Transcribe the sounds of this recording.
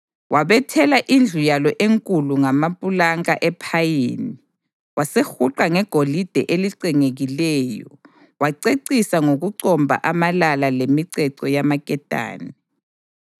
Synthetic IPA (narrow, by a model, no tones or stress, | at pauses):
wʔaβɛtʰɛlaʔind͡ɮʱujalɔʔeŋkʼuluŋamapʼulaŋaʔɛpʰajeːni | wasexuǃaŋɛɡ̥ʱolid̥ʱɛ̰ʔeliǀiŋeɣilɛːjɔ̰ | waǀeǀisaŋoɣuǀɔmbʱa̰ʔamalalalemiǀɛǀɔjamakʼɛd̥ʱʼa̰ːni